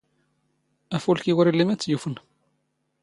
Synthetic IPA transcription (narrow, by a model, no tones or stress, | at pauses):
æfulkiwɾilːimæt͡sːjufən